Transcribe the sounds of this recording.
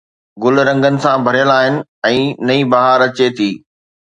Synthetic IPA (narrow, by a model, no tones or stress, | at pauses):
ɡʊlɾɐ̃ŋɡənɪ̆sãbʱɐɾijəlaːɦɪnɪ̆ɛ̃ːnɐibaɦaɾɐt͡ɕet̪ʰiː